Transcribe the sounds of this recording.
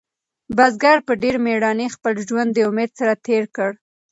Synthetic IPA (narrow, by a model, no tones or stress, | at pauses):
bazɡaɾpəɖeɾmeɽɑnexpəlʒwand̪ːəʊmed̪saɾat̪eɾkəɽ